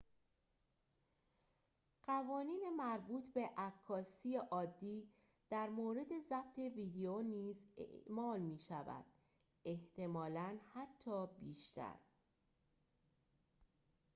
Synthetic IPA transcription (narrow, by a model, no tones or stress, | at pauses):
ɢ̥ævɒːniːne̞mæɾbuːt̪ʰbe̞ʔækʰːɒːsiːeʔɒːd̪ːiː | d̪̥æɾmoːɾe̞d̪e̞zæft̪ʰe̞viːd̪eoniːzḛʔmɒːlmiːʃævæ̰d̪̥ | e̞ht̪ʰe̞mɒːlænhæt̪ʰːɒːbiːʃt̪ʰæ̰ɾ